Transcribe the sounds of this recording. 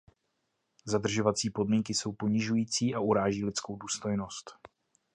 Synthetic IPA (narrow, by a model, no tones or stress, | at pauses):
zadr̩ʒo̞vat͡siːpo̞dmiŋkɪso̞wpo̞ɲɪʒujiːt͡siːʔaʔuɾaːʒiːlɪt͡sko̞wduːst̪o̞jno̞st̪